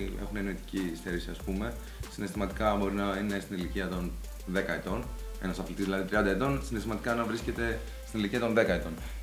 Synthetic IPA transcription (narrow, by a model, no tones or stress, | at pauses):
ḛxuneno̞it̪i̥cist̪eɾisiɐspume̞ | sine̞st̪imɐt̪i̥kɐbo̞ɾinɐine̞st̪iniliciɐt̪o̞n | ðe̞kɐet̪o̞n | e̞̰nɐsɐflit̪izðilɐðit̪ɾiɐnd̪ɐet̪o̞nsine̞st̪imɐt̪ikɐnɐvɾisce̞t̪e̞ | st̪iniliciɐt̪o̞nðe̞kɐet̪o̞n